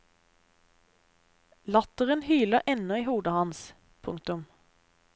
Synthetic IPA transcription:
lɑt̪əʁənhyːləʁʔɛnɔiːhuːd̪əhɑns | pʰʊŋk̚t̪ʊm

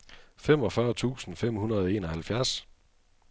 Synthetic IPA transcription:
fem̰ɒ̽fɶːɐt͡sʰṵːsn̩fem̰hunɐð̞̩ˠɒe̝̰ːnɒ̽hælfjæɐ̰s

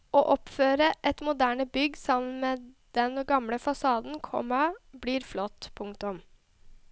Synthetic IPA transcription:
oːʔɔpføːɾəʔɛt̪mʊd̪æːɳəbʏɡːsɑmən̩meːd̪̥ɛnɡɑmɽəfɑsɑːd̪n̩kʰɔ̰mɑbliːɾflɔt̪ːpʰʊŋt̪ʊm

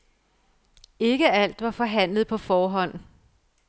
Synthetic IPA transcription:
e̝ɡ̥əæl̰d̥ʋɑ̈fɒ̽ɦæn̰ləð̞̩ˠpʰɒ̽fɒːɦɒ̽n̰

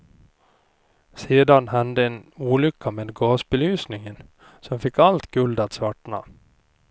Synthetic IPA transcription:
seːd̪ɑnhɑnd̪əeːnuːlʏkʰːameːd̪ɡoːsbəlyːsnɪŋən | sɔmfɪkːɑlt̪ɡ̥ʉld̪ɑt̪sʋɑʈɳɑ̰

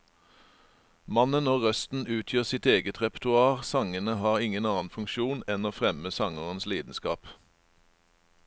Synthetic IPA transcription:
mɑnənoːʁœst̪n̩ʉːt̪ʰjøːʁsɪt̪eːɡət̪ʰʁɛpt̪ʉɑːʁsɑŋənəhɑːʁɪŋənɑːnfʉŋkʃuːnɛnoːfʁɛməsɑŋəʁənsliːd̪n̩skɑːp

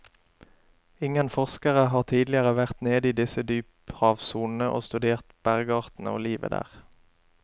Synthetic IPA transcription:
ɪŋənfɔʁskəʁəɦɑːʁt̪ʰiːd̪lɪəʁəʋæʁt̪neːd̪iːd̪ɪsəd̪yːp | hɑːʋsuːnn̩əʔo̰ːst̪ʉd̪eːʁt̪b̥æʁɡɑːʁt̪n̩əo̰ːliːʋə̰d̪æ̰ːʁ

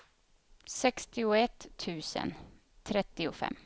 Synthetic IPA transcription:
sɛkst̪ɪʊɛt̪ʰːʉ̟ːsə̰n | t̪ʰɾɛt̪ːɪʊfɛ̰mː

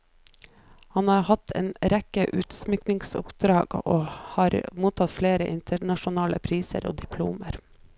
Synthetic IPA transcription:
hɑnɑːɾhɑt̪ʰḛːnɾɛkəʔʉːt̪smʏknɪŋsʊ̰pd̪ɾɑːɡ̥o̰ːhɑːɾmuːt̪ʰɑt̪fleːɾəʔɪnt̪ʰəɳɑʃʊnɑːləpʰɾiːsə̰ɾo̰ːd̪ɪpʰlṵːməɾ

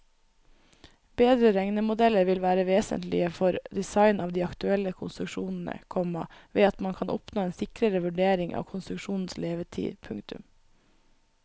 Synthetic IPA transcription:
b̥eːd̪ɾəɾɛŋnəmʊd̪ɛləɾʋɪlʋæːɾəʋeːsə̰nt̪lɪ̰əfɔɾd̪ɛsɑɪnʔɑːʋd̪iːɑkt̪ʉɛlːəkʰʊnst̪ɾʉkʃuːnn̩ə̰kʰɔmɑ̰ʋeːɑt̪mɑnkʰɑnʔɔ̰pnoːeːnsɪkɾəɾəʋʉɖeːɾɪŋʔɑ̰ːʋkʰʊnst̪ɾʉkʃuːnn̩sleːʋəʈʰḭːpʰʉŋkt̪ʉ̰m

